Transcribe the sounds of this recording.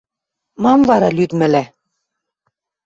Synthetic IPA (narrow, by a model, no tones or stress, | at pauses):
mɑmvɑɾɑlyd̪mɘ̆læ